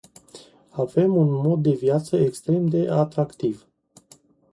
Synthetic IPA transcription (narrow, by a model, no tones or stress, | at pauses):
ave̞munmo̞d̪̚ːe̞vjat̪səekst̪ɾe̞md̪e̞ʔat̪ɾakt̪iv